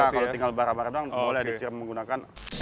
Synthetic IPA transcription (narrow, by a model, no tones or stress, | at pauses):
akalot̪iŋɡalbaɾabaɾadaŋmolɛdisiɾmːəŋɡunakan